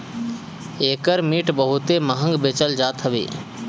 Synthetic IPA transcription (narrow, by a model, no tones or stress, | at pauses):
eːkəɾmiːʈbəɦʊt̪eməɦə̃ŋɡbeːt͡ʃəld͡ʒaːt̪ɦəʋḭː